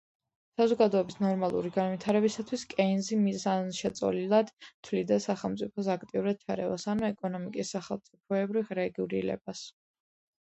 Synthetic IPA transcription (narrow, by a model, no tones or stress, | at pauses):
sazɔɡad̪ɔɛbisnɔɾmalˠṵɾiɡanwit̪ʰaɾɛbisat̪ʰwiskʼɛnzimizanʃɛt̪sʼɔ̰lilˠad̪̥t̪ʰwlid̪asaχɛlˠmt̪sʼipʰɔsakʰt̪ʼiuɾad̪̥̚t͡ʃʰaɾɛ̰va̰sanuɛkʼɔnɔmikʼisːaχɛlˠmt̪sʼip̚ʰɔɛbɾiɾɛɡuɾḭlɛ̰b̥as